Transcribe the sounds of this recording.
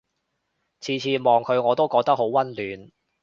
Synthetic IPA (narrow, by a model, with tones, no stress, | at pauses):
t͡sʰiː˨˧t͡sʰiː˨˧mɔː˨ŋkʰɵ˨˧ɥŋɔː˨˧t̪o˥wkɔː˧k̚t̪ɐ˥k̚ho˨˥wwɐ˥nlyː˨˧n